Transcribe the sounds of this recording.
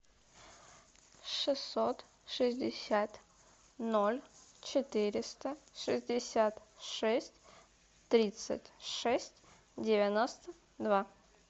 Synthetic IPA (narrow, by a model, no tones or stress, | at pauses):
ʂɨsːot̪ | ʂɨzʲdʲɪsʲat̪ | nolʲt͡ɕɪt̪ɨɾʲɪst̪əʂɨzʲdʲɪsʲat̪ʂɛsʲtʲ | t̪ɾʲit̪sɨ̰tʲʂɛsʲtʲ | dʲɪvʲɪnost̪ə | d̪va